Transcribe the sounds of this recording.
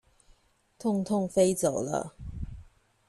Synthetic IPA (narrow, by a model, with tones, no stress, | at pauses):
t̪ʰʊ˥˧ŋt̪ʰʊ˥˧ŋfe˥ɪt͡so˨˩ʊlə̰˦